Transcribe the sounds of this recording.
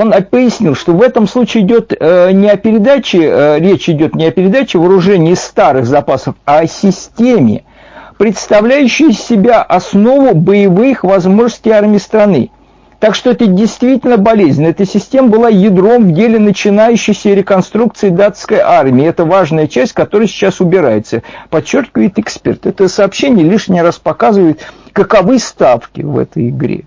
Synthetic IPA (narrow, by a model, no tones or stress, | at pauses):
o̞nɐpəjɪsʲnʲilˠʂt̪o̞vɛt̪əmslˠut͡ɕɪːdʲo̞t̪nʲɪɐpʲɪɾʲɪd̪at͡ɕɪɾʲet͡ɕɪdʲo̞t̪nʲɪɐpʲɪɾʲɪd̪at͡ɕɪvəɾʊʐɛnʲɪːst̪aɾɨxzɐpasəfɐsʲɪsʲtʲemʲɪ̰ | pɾʲɪt̪st̪ɐvlʲæjʉɕːɪjsʲɪbʲaʔɐsno̞vʊbəjɪvɨxvɐzmo̞ʐnəsʲtʲɪarmʲɪjst̪ɾɐnɨ̰ | t̪akʂt̪oɛt̪ədʲɪjst̪vʲitʲɪlʲnəbɐlʲezʲnʲəɛt̪əsʲɪsʲtʲe̞məbɨlˠajɪd̪ɾo̞mvdʲelʲɪnət͡ɕɪnajʉɕːɪjsʲəɾʲɪkɐnst̪ɾuk̚t̪sɨɪd̪at̪skəjʔarmʲɪɪɛt̪əvaʐnəjət͡ɕæsʲtʲkɐt̪o̞ɾəjsʲɪ̥t͡ɕːasʊbʲɪɾa̰jɪt̪səpɐt͡ɕːorkʲɪvəjɪt̪ɪkspʲert̪ɛt̪əsɐːpɕenʲɪjəlʲiʂnʲɪɾaspɐkazɨvəɪt̪kəkɐvɨst̪afkʲɪ̰vɛ̰t̪əjɪɡɾʲḛ